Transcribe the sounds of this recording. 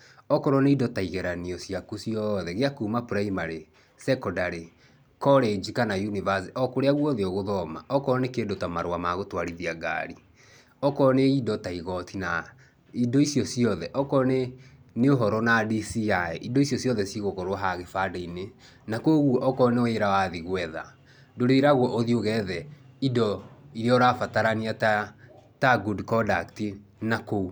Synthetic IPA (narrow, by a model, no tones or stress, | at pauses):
ɔkɔɾɔneidɔtaiɣɛɾaniɔsjakusiɔðɛɣeakumapuɾaimaɾe | sɛkɔdaɾe | kɔɾed͡ʒikanajunivaseʔɔkoɾeaɣwɔðeɔɣoðɔma̰ɔkɔɾɔnekedotamaɾwamaɣotwaɾiðiaɡa̰ɾi | ɔkɔneidɔtaiɣɔtina | idɔisjɔsiɔðɛʔɔkɔne | neoɦɔɾɔnadisiaɛʔidɔisjɔsijɔðɛsiɣokɔɾwaɦaɣefadaine | nakoɣwɔʔɔkɔneɔeɾawaðiɣwɛða̰ | doɾeɾaɣwɔʔoðioɣɛðɛidɔiɾeɔɾafataɾaniatataɡudkɔdakti | nakou